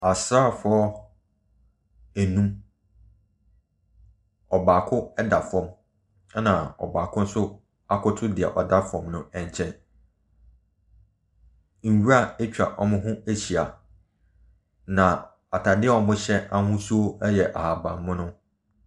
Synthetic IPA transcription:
a˨sa˦˨fʊ˦ɔ˦ | æ˨nũ˦m | ɔ˨baː˨kʰʊ˦ɛ˦da˨fɔ̃˦m˦ | nã˨ɔ̰˨baː˨kʰʊ̃˦n̩˦sʊ˦ | a˦kʰʊ˦tʰʊ˦dɪ˨ɛ̰˨ʔɔ˨da˦fɔ̃˨mnʊ̃˦ɛ̃˨ɲ˨t͡ɕʰɛ̃˦n | ŋ̩˨wu˦ɾa˦˨æ˦t͡ɕᶣa̰˨ʔɔ˨mʊ̃˦ɦʊ̃˦æ˦ɕi˨a˨ | nã˨ | a˨tʰa˨dɪ˦ɛ˦ɔ˨mʊ̃˦ɕɛ˦a˦hʊ̃˦su˦o˦ɛ˦jɛ˨ʔa̰˨ha˨bã̰˨m˦mʊ̃˦nʊ̃˦

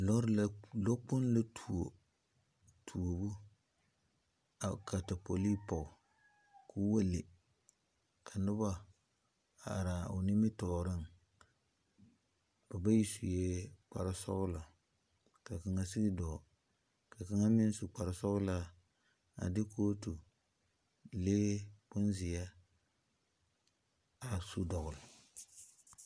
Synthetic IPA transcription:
lɔ˦ɾla˦lo˦k͡pʊ˦n˦la˦tʰu˨o˨ | tʰu˨o˨bu˦ | a˨ka˨ta˨po˨li˦pɔ˨ | kʰu˦wa˦le˨ | kʰa˨nʊ˦ba˦ | a˨ɾa˨ʊ̰˨nɪ˦mɪ˦tɔː˨ɾɪ˦ŋ | b̥a˨ba˦ji˦su˨je˦k͡pa̰˨ɾɪ˦sɔ̰˦ɣʊ˦la˨ | ka˨ka˨ŋa˦si˦ɡɪ˦dɔː˨ | ka˨ka˦ŋa˦mɪ˦n˦su˨k͡pa˨ɾɪ˨sɔ˦ɣʊ˦la˦ | a̰˨dɪ˦koː˦tu˨ | leː˦pʊ˦n˦zɪ˨ja˦ | a˨su˦dɔ˨ɣʊ˨lɪ˨

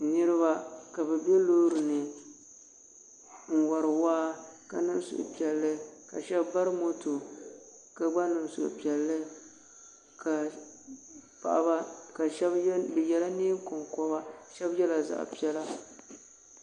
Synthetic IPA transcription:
nɨ˦ɾɨ˦ba˦ka˨bɛ˨bɛ˦loː˦ɾɨ˨nɨ˨ | ŋ̩˨wa˨ɾɨ˨waː˦ka˨nɨ˦m˦sʊ̰˨ʔʊ̰˨pi˨ɛ˨lːɨ˦ka̰˨ʃɛ˦bba˦ɾɨ˦mo˦to˨ | ka˨ɡ͡ba˦nɨ˨msʊ̰˨ʊ̰˨pi˨ɛ˨lːɨ˦ | ka˨ | pa̰˨ʔa̰˨ba˦ka˨ʃɛ˦bbɛ˨jɛ˨la˦ni˦ŋ˦ko˨ŋkɔ˦ba˦ʃɛ˦bjɛ˦la˨za̰˨ʔpi˦ɛ˦la˦

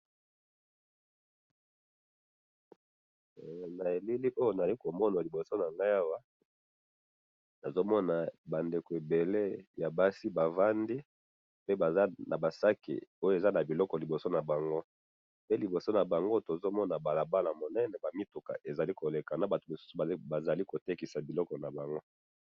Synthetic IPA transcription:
na˨e˨li˦li˦ʔo˦jo˦na˨a˨li˦ko˨mɔ˦na˨li˨bo˨so˦na˨ŋɡa˦ja˦wa˦ | na˨zo˦mɔ˦na˨ba˨nde˨ko˨e˨be˨le˦ja˨ba˦si˦ba˨va˦ndi˦ | pe˦ba˨za˦na˨ba˨sa˦kḭ˨o˦je˨za˦na˨bi˨lɔ˦kɔ˨li˨bo˨so˦na˨ba˨ŋɡo˦ | pe˦li˨bo˨so˦na˨ba˨ŋɡo˦to˨zo˦mɔ˦na˨ba˨la˨ba˦la˨mo˨nɛ˦nɛ˨ba˨mi˦to˨ka̰˨ʔe˨za˨li˦ko˨le˨ka˨na˨˦ba˨to˨mo˨su̥˦su˨ba˨za˨li˦ko˨te˦ki˨sa˨bi˨lɔ˦kɔ˨na˨ba˨ŋɡo˦

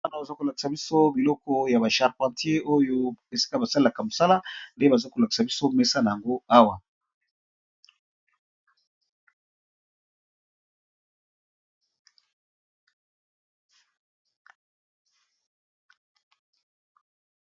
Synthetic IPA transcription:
a˦na˨ba˨za˦ko˨la˨ki̥˨sa˨bi˦so˦bi˨lɔ˦kɔ˦ja˨ba˨ʃa˨ʁpã˨tje˦o˦jo˦e˨si̥˦ka˦ba˨sa˦li˦la˨ka˨mo˨sa˦la˦nde˦ba˨za˦ko˨la˨ki̥˨sa˨bi˦so˦me˦sa˦na˨ja˨ŋɡo˦a˦wa˨

